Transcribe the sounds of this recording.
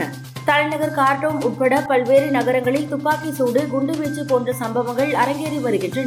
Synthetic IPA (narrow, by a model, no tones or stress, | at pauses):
ɐ | t̪ɐɻɐnɐɣɐɾkaːɾʈrɐʋɯmʊʈpːɐɽɐpɐɭʋeːɾɯnɐɣɐɾɐŋɡɐɭɪt̪ʊpːaːkisuːɽɯɡʊɳɖɯʋeːt͡ʃːipoːndrɐsɐmbɐʋɐŋɡɐɭɐɾɐŋɡeːɾiʋɐɾɯɣɪndrɯn